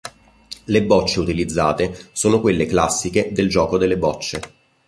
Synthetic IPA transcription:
lebːɔt͡ʃːeut̪ilid̪zːa̰ːt̪esoːnokwelːeklasːiked̪eld͡ʒɔːkod̪elːebɔt͡ʃːe

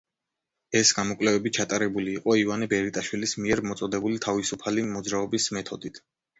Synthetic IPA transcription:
ɛsɡ̥amɔkʼwlɛvɛbit͡ʃʰat̪ʼaɾɛbuliːqʼɔivanɛbɛɾit̪ʼaʃwilismiɛɾmɔt̪sʼɔd̪ɛbulit̪ʰavisupʰalimɔd̪zɾaɔbismɛt̪ʰɔd̪it̪ʰ

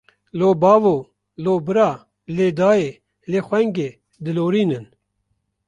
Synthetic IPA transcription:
loːbaːvoː | loːbɨɾaː | leːd̪aːe | leːxʷɛŋɡeː | d̪ɨloːɾiːnɨn

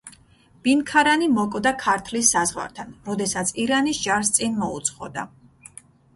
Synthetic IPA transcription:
b̥inkʰaɾanimɔkʼvd̪akʰaɾt̪ʰlisːazʁwa̰ɾt̪ʰanɾɔd̪ɛsat̪sʰiɾanisd͡ʒaɾs̬t̪sʼinmɔṵt̪sʰʼχɔ̰d̪a̰

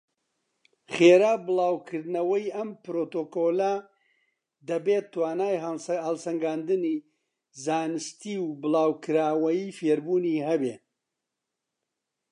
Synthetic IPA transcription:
χeːɾaːbɨlˠaːwkʰɨɾd̪nɐwɐjɐmpɾoːt̪oːkola | d̪ɐbet̪ːwaːnaːjhɐlˠsɐŋɡaːnd̪ɨni | zaːnɨst̪iːwbɨlˠaːwkʰɨɾaːwɐjiːfeːɾbuːniːɦɐbe

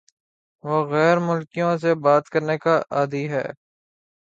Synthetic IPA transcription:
ʋoːɣɛːɾmʊlkijõs̬ebaːt̪kəɾnekaʔaːd̪iɦɛ̰ː

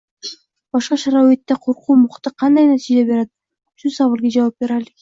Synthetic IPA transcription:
bɑʃqɑʃɑɾɑwet̪ːeqʰoɾquːmuqt̪ɯqʰɑnd̪ɑjnɑt̪id͡ʒebe̞ɾɑt̪̚ | yʃusɑβɯɾɡed͡ʒɑwɑp̚be̞ɾali

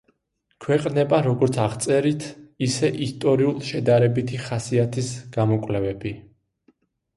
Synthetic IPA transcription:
kʰwɛqʼnɛbaɾɔɡɔɾt̪sʰaʁt̪sʼɛɾit̪ʰisɛʔist̪ʼɔɾiulˠʃɛd̪aɾɛbit̪ʰiχasiat̪ʰisɡ̥amɔkʼlɛvɛbi

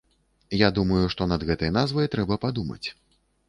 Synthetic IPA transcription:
jad̪umɐjuʂt̪ɔnɐd̪ɣɛt̪ɐjɐnazvɐjt̪ɾɛbɐpad̪umɐ̰t͡sʲ

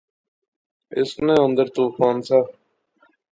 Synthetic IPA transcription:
ɪsnẽːənd̪əɾt̪uːpaːnsaː

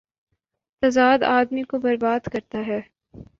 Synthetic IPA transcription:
t̪ɐzaːd̪aːd̪mikobɐɾbaːd̪kɐɾt̪aɦɛː

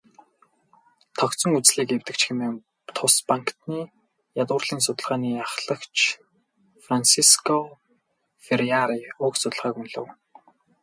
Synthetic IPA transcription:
t̪ʰɔkt͡sɞ̆ŋut͡sɮiːkewt̪ɘ̆kt͡ɕxemeː | t̪ʰʊspaŋkt̪niː | jat̪ʊːrɮiːnsʊt̪ə̆ɮʁaːniːjaχɮə̆kt͡ɕʰ | fransiskʰɔ | feriaɾiʊksʊt̪ə̆ɮʁaːkunɮɘ̰̆w

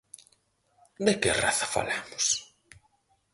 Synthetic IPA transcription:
d̪ekḛra̰θɐfa̰lemʊs

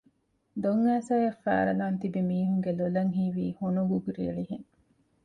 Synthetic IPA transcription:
d̪oŋːæːsaːjɐfæ̰ːɾɐ̰laːnt̪ibimiːɦuŋɡelolɐŋɦiːʋiːhonuɡuɡuɾḭːɾiɦeŋ

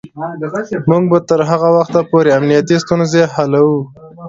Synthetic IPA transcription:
muɡ̚bat̪əɾɦaɣawaxt̪apoɾeamnijat̪ist̪unzehalawu

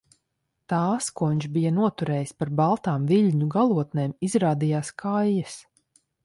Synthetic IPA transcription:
t̪aːskuɔiɲʲʃbijanuɔt̪uɾɛːjispaɾbalˠt̪aːmviʎʲɲuɡalˠuɔt̪nɛːmizɾaːd̪ijaːskʰajːɐs

